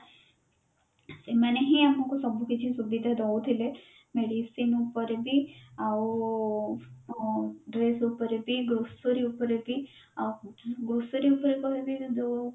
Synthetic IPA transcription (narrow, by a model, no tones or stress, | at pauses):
semɐneɦiamũkusɔbukit͡ʃʰisubid̪ʱad̪ɔut̪ʰile | meɽisinupɔɾebʱiao | ɖɾesupɔɾebiɡosuɾiupɔɾebi | aɡosuɾiupɾekɔɾbʱid̪